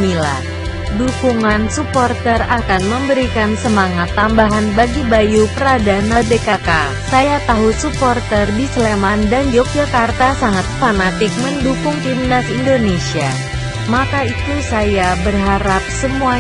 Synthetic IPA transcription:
nila̰h | dukuŋansupɔrt̪ərakanməmbəɾikansəmaŋat̪ːambaɦanbaɡibajupəɾadanadekaka | sajat̪aɦusupɔrt̪ərdisəlemandand͡ʒɔk̚d͡ʒakart̪asaŋat̪̚fanat̪ɪk̚məndukʊŋkimnasindonesia | makait̪usajabərɦaɾap̚səmua

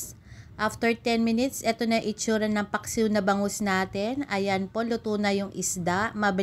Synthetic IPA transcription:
ʔaft̪ɛɹt̪ɛnmɪnɪt̪sʔɛt̪onɐʔɪt͡ʃuːɾɐnːɐŋpɐksiwnɐbɐŋʊsnaːt̪ɛnʔɐjɐnpo̞lʊt̪uːnɐjʊŋʔɪsd̪aʔmɐbɪ

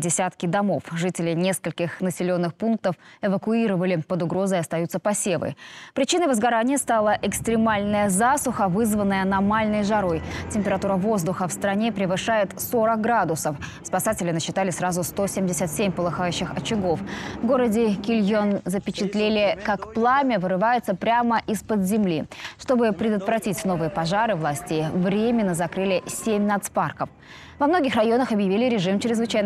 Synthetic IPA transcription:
dʲɪsʲat̪kʲɪd̪ɐmo̞fʐɨtʲɪlʲɪnʲe̞skəlʲkʲɪxnəsʲɪlʲo̞nːɨxpunk̚t̪əfɛvəkʊiɾəvəlʲɪpəd̪ʊɡɾo̞zəjɐst̪ɐjut̪səpɐsʲe̞və̰pɾʲɪt͡ɕinəjvəzɡɐɾanʲɪjəst̪alˠəʔɪkst̪ɾʲɪmalʲnəjəzasʊxəvɨzvənːəjənɐmalʲnəjʐaɾo̞jtʲɪmʲpʲɪɾɐt̪uɾəvo̞zd̪ʊxəfst̪ɾɐnʲe̞pɾʲɪvɨʂajɪt̪so̞ɾək̚ɡɾad̪ʊsəfspɐsatʲɪlʲɪnəɕːɪt̪alʲɪsɾazʊst̪o̞sʲemʲdʲɪsʲət̪sʲemʲpəlˠɨxajʉɕːɪxɐt͡ɕɪɡo̞fvɡo̞ɾədʲɪkʲɪlʲjonzəpʲɪt͡ɕɪt̪lʲelʲɪkakplˠamʲəvɨɾɨvajʊt̪səpɾʲaməʔɪspəd̪zʲɪmlʲiʂt̪o̞bɨpɾʲɪd̪ət̪vɾɐtʲitʲno̞vɨjəpɐʐaɾɨvlˠasʲtʲɪvɾʲemʲɪnːəzɐkɾɨlʲɪsʲemʲnɐt̪sparkəf | vɐmno̞ɡʲɪxrɐjo̞nəxɐbjɪvʲilʲɪɾʲɪʐɨmt͡ɕɪɾʲɪzvɨt͡ɕæjn

